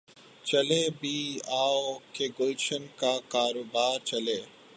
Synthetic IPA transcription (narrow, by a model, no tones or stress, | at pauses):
t͡ʃɐlebʱiːaːokeɡoʃənkakaːɾoːbaːɾt͡ʃɐleː